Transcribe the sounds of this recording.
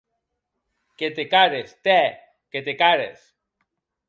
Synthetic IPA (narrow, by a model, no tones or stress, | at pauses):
ket̪ekaɾest̪e | ket̪ekaɾḛs